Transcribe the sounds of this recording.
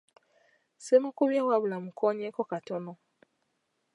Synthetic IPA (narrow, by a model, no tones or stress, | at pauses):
semãkobjawabulamũkʰɔɲɛkɔkatɔnɔ̃